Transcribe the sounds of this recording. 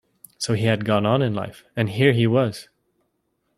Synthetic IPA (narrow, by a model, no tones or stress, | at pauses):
soʊiɨd̚ɡɔ̃nə̃nɨ̃nla̰ɪfɨ̃nɦiɹiwʌz̥